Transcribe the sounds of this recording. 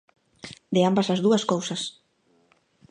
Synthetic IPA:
d̪eambasazðuɐskowsɐs

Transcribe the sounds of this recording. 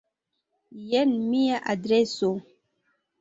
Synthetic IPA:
jɛnmijaʔadɾɛso

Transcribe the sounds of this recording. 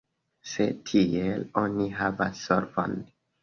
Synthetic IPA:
se̞tʰielo̞niɦava̰sːoɾvo̰n

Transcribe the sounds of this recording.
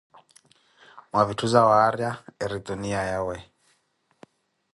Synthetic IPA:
mwavituzawaːɾjaɛɾituniajawɛ

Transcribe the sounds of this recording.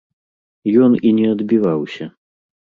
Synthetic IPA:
jɔninʲɛɐd̪bʲivawsʲɐ

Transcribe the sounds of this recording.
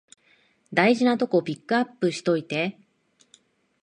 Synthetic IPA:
d̪aiʑinat̪o̞ko̞pʲikːɯapːɯ̟ɕi̥t̪o̞it̪e̞

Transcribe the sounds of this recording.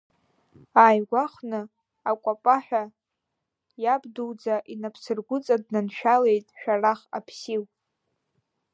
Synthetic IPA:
aːjɡʷaχnɨ | akʷʼapʼaħʷᶣa | jabduwd͡zaʔinapʰsɨrɡʷʊt͡sʼad̚nanʃᶣalejtʼʃᶣaraχa̰pʰsiw

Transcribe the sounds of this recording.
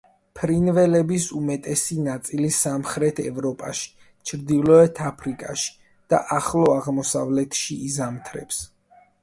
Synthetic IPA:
pʰɾinvɛlɛbisumɛt̪ʼɛsinat̪sʼilisamχɾɛt̪ʰɛ̰vɾɔpʼaʃi̥ | t͡ʃʰɾd̪ilɔɛt̪ʰapʰɾikʼaʃi̥ | d̪̥aʔaχlˠɔaʁmɔsavlɛt̪ʰʃiːzamt̪ʰɾɛ̰ps

